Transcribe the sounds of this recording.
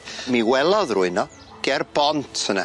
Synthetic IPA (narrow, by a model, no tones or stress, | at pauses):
miwɛlˠɔðruɨnɔ | ɡ̥ɛrbɔntʰəna̰